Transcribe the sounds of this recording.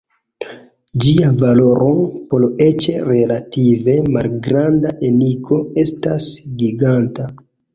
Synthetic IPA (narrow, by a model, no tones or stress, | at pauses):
d͡ʒiavalo̞ɾʔopole̞t͡ʃe̞ɾe̞lative̞malɡɾandaʔenikʰo̞e̞stasɡiɡanta